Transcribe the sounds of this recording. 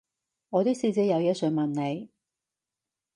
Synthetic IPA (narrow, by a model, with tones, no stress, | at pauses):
ŋɔː˨˧t̪iː˥siː˧t͡siː˨˥jɐ˨˧wjɛ˥sɵ˨˧˥mɐ˨˩nne˨˧j